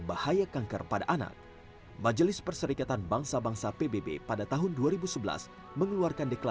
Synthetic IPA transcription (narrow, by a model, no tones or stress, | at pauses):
bahajakaŋkə̰rpadaʔana̰k̚ | mad͡ʒəlɪspərsəɾikat̪anbaŋsabaŋsapebebḛpadat̪aɦʊnduaɾibusəbəla̰s | məŋəluarkandɛkla